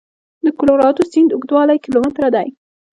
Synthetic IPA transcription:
d̪əkʊloɾɑt̪osɪnd̪ʊɡd̪wɑlajkilomɪt̪ɾad̪aj

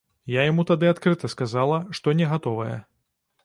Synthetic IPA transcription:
jajamut̪ad̪ɨat̪kɾɨt̪ɐskazalˠɐʂt̪ɔnʲɛɣat̪ɔvɐjɛ̰

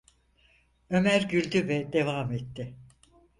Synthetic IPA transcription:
ø̞mæɾɟylʲd̪yvɛd̪e̞vaːmet̪ːɪ

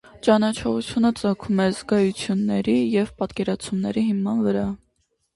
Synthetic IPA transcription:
t͡ʃɑnɑt͡ʃʰɔʁut͡sʰjunət͡sɑkʰumɛzɡɑjut͡sʰjunːɛɾijɛvpɑt̪kɛɾɑt͡sʰumnɛɾiɦimɑnvəɾɑ

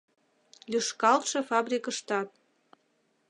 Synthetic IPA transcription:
lyʃkɑlt̪ʃɤ̆fɑbrʲikəʃt̪ɑt̪̚

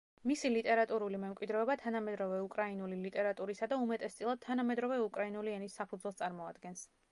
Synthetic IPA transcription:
misilit̪ʼɛɾat̪ʼuɾulimɛmkʼwid̪ɾɛɔbat̪ʰanamɛd̪ɾɔvɛukʼɾainulilit̪ʼɛɾat̪ʼuɾisad̪aumɛt̪ʼɛst̪sʼilˠad̪̚t̪ʰanamɛd̪ɾɔvɛukʼɾainuliɛnisːapʰud̪zwɛlˠst̪ʼaɾmɔad̪̥ɡɛns

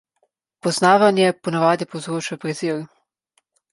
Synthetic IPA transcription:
pɔznaːʋanjɛpɔnaʋaːd̪ipowzɾoːt͡ʃapɾɛziɾ

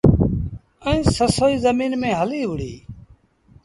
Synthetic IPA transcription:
əĩːsəsoːiːzəmiːnmẽːɦəliːɦʊɽiː

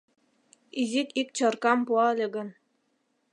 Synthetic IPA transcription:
izʲik̪ik̚t͡ɕɤ̆rkɑmpuɑlʲĕɡɤ̆n

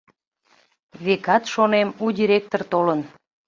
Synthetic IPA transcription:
βekɑt̪ʃonemudʲiɾʲek̚t̪ort̪olən

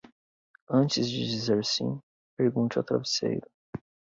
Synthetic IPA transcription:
ɐ̃nt͡ʃɪzd͡ʒɪd͡ʒizeɾsḭ̃ | peɾɡũnt͡ʃa̰t̪ɾa̰vesḛjɾʊ

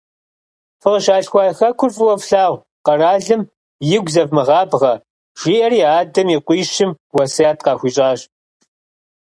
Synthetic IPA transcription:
fɨʁʃaːɬxʷɑːjxɐkʷʰʊrfʼɨwɐfɬaːʁʷ | qɐraːɮɨm | jɪɡʷzɐvmɨʁɑːbʁɐ | ʒ̥iːʔɐriːaːdɐmiqʷiːʃɪm | wɐsjaːtʰqɑːxʷiːɕʼɑːɕʼ

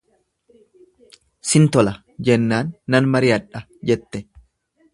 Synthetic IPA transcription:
sɪnt̪ɔlɐ | d͡ʒɛnːaːnːɐnmɐɾɪɐᶑɐ | d͡ʒɛt̪ːɛ

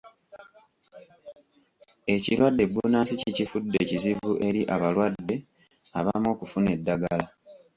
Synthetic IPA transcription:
e̞ciɾwadːe̞bːunaːsicicifudːe̞ːciziβuʔe̞ɾiʔaβalwadːe̞ | aβamo̞ːkufune̞dːaɡala

